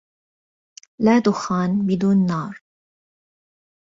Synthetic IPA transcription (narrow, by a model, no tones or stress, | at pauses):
laːt̪ʊxaːnbɪd̪uːnːɑːɾˤ